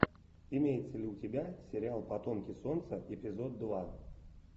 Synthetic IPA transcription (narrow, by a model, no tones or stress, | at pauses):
ɪmʲejɪt̪səlʲɪʊtʲɪbʲasʲɪɾʲɪalˠpɐt̪o̞mkʲɪso̞nt̪səɪpʲɪzo̞d̪ːva